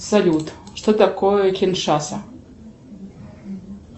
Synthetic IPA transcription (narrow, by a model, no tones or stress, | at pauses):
salʲutʰʂt̪otakʷʰojkʲʰinʂasa